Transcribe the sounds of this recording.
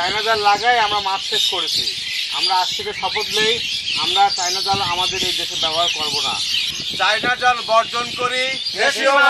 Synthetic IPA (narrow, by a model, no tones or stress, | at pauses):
ajnad͡ʑallaɡajamɾamasʃeʃkoɾet͡ɕʰḭ | a̰mɾaaʃt̪ʰekeʃɔpot̪lejamɾat͡ɕajnad͡ʑalamad̪eɾejd̪eʃebɛbaɾkɔɾbona̰ | t͡ɕajnad͡ʑalbɔɾd͡ʑonkoɾieʃ